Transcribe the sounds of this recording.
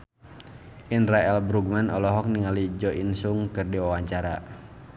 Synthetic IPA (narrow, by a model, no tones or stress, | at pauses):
ʔinraɛlbɾuɡ̚manɔlɔɦɔk̚niŋalid͡ʒɔʔinsuŋkɨrdiwawaɲt͡ʃaɾa̰